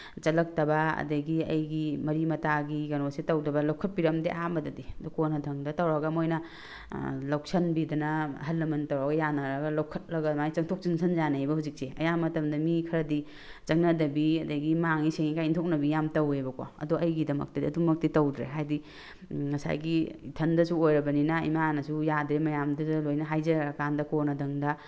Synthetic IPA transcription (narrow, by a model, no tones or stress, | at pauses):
t͡ʃɐlɐk̚tɐbaɐ̰dɐɡiɐ̰jɡimɐɾimɐtaɡiɡɐnosetɐwdɐbɐlɐwkʰɐt̚piɾɐmdeʔambɐdɐdidukonɐdʱɐŋdɐtɐwɾaɡɐmojnɐ | lawk̚sɐnbidɐnɐɦɐlːɐmɐntɐwɾaɡɐjanɐɾɐɡɐlɐwkʰɐt̚lɐɡɐmajt͡ʃɐŋtʰok̚t͡ʃinsʰɐnzanajbɐhuzik̚seɐjamɐtɐmdɐmikʰɐɾɐdi | t͡ʃɐŋnɐdɐbiɐdɐɡimaŋiseŋikajintʰok̚nɐbijamtɐwebɐkwa̰ɐ̰duɐjɡidɐmɐ̰k̚tidɐ̰dumɐk̚titɐwdɾeɦajdi | mɐsa̰jɡiitʰɐndɐsuojɾɐbɐninɐḭmanɐsujadɾemɐjamdɐdɐlojnɐɦajzɐɾɐkandɐkonɐdʱɐŋdɐ